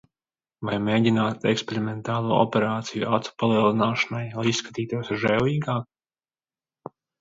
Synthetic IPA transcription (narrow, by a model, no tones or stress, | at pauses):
vajmeːɟʲinaːt̪ɛkspeɾimɛnt̪aːlˠuːɔ̰pɛɾaːt̪sijuat̪su̥palˠiɛlˠinaːʃanajaisːkḁt̪iːt̪uɔsʒɛwiːɡaːk̚